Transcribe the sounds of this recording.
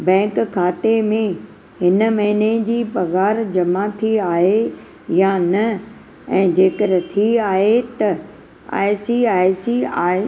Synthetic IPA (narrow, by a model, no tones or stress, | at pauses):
bɛ̃ːkkʰaːt̪emẽ | ɦɪn̆mɐɦɪned͡ʑiːpɐɣaːɾd͡ʑɐmat̪ʰiaːɦe | janɐ | ɛ̃ːd͡ʑeːkəɾt̪ʰiaːɦet̪ɐ | a̰ːɪsiaːɪsiaː